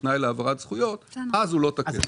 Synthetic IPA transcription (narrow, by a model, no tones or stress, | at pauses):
najleavaʁat̪z̥χujo̞t̪azulo̞t̪akḛ